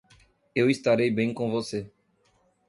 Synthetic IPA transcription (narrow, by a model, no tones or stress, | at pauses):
ewist̪aɾejbẽj̃kõvose